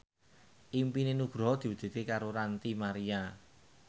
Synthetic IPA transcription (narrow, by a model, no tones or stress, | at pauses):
ʔimpinenuɡ̥ɾɔ̤d̪̥i̤wəd̪̥e̤t̪ekaɾoɾant̪imaɾia